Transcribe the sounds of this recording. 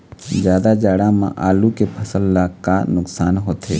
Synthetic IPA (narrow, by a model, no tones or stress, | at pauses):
d͡ʒjaːd̪ad͡ʒaːɽãmã̰ʔaːlukepʰəsəlːakanʊksaːnɦoːt̪ḛː